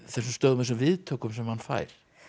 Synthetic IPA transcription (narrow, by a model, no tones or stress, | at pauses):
θɛs̬ʏmst̪œːðmasʏmvɪðt̪ʰoːwkʏmsɛmhanfa̰ːjɾ̥